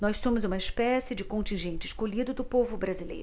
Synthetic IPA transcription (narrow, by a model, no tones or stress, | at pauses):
nɔjssõmʊzũmɐɪspɛsɪd͡ʒɪkõnt͡ʃĩʒẽnt͡ʃɪskoʎid̪ʊd̪ʊpovʊbɾazilḛjɾʊ